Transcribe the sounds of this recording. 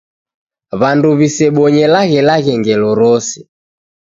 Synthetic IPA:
βanduβisɛɓɔɲɛlaɣɛlaɣɛŋɡɛlɔɾɔsɛ̥

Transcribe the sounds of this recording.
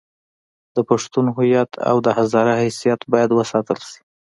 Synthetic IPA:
d̪̥əpaʂt̪unɦʊjat̪ʰa̰wd̪əhazɑɾahasijat̪bɑjad̪wəsɑt̪əlʃi̥

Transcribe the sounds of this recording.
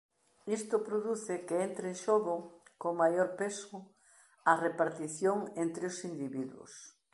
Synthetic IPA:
ist̪ʊpɾoðuθɪkeent̪ɾeʃoɣʊkomajoɾpesʊ | ɐrepaɾt̪iθjoŋent̪ɾeosind̪iβiðwʊ̰s

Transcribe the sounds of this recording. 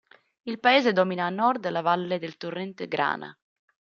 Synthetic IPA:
ilpaeːzed̪ɔminaːnɔrd̪lavalːed̪elt̪urːɛnt̪eɡɾa̰ːna̰

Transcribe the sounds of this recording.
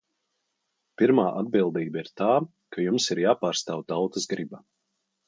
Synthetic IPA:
piɾmaːʔad̪̚bilˠd̪iːbaiɾt̪aː | kajumsiɾjaːpaːɾst̪aːwt̪awt̪əzɡɾiba

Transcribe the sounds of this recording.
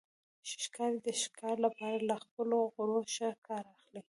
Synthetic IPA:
ʃʃkɑɾid̪əʃkʰɑɾlapɑɾalaxpəloɣʊɾoʃakʰɑɾaxli

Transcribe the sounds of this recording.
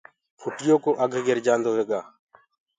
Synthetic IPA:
pʰʊʈɪjõːkoːʔəɡʱɡeɾd͡ʒãːnd̪oːɦeːɡaː

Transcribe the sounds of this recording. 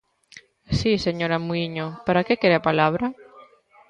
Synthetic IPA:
siseɲoɾamuiɲopaɾakekeɾapalaβɾa

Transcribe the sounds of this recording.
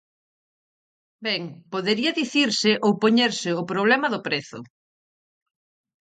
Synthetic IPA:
bɛŋpoðeɾiɐðiθiɾsɪʔowpoɲeɾsɪʊpɾoβ̞lɛmɐðʊpɾeθʊ̰

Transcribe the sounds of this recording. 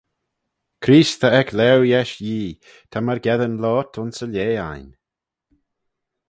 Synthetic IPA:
kʰɾiːst̪ʰəɛklɛwjɛʃjiː | t̪ʰaməɹɡɛðənlɔːt̪ʰʊnsəlʲeːa̰jn

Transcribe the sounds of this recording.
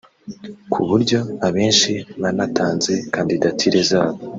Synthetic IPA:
kʰuβuɾɟo̞aβe̞ːnʃiβanatʰaːnze̞kandidatʰiɾezaːβo

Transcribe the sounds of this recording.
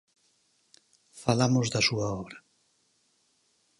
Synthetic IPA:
falamozðɐsuaɔβɾɐ

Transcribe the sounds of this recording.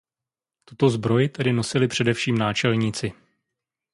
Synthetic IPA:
t̪ut̪o̞zbɾo̞jɪt̪ɛdɪno̞sɪlɪpr̝̥ɛdɛfʃiːmnaːt͡ʃɛlɲit͡sɪ

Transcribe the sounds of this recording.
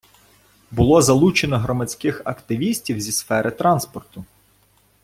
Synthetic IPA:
bʊlˠɔzɐlˠut͡ʃenɔɦɾɔmɐt͡sʲkɪxɐkt̪ɪʋʲisʲtʲiwzʲisfɛɾʔɪt̪ɾɑnspɔrt̪ʊ

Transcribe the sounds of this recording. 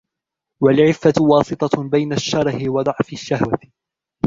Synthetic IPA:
walʕɪfːawɑːsˤɨt̪ˤɑbajnaʃːɑɾˤhɪwɑd̪ˤɑʕfɪʃːahwa

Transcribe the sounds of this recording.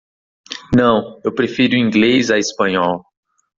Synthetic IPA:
nɐ̃w̃ewpɾefiɾʊĩŋɡlezɐespɐ̃ɲɔw

